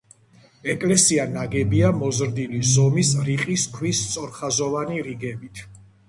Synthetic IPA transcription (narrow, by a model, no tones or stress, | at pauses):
ɛkʼlɛsianaɡɛbiamɔzɾd̪ilizɔmisɾiqʼiskʰwist̪sʼɔɾχazɔvaniɾiɡɛbit̪ʰ